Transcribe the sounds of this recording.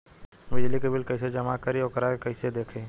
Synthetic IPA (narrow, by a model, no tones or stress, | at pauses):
bɪd͡ʒlikebɪlkɐɪsed͡ʒɐmakɐɾiɔːkəɾakɐised̪eːkʰeː